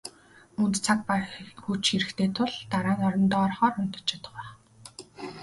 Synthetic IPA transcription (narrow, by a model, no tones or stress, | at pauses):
ɵnt̪t͡sʰak̚paxut͡ɕxiɾɘ̆kt̪ʰeːt̪ʰʊɮt̪aɾaːŋɔɾɞ̆nt̪ɔːrχɔːrʊn̥t̪ɞ̥̆t͡ɕʰăt̪ə̥̆χæː